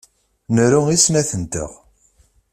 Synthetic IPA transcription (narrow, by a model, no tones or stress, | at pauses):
nɾuisnæθənt̪ə̰ʁ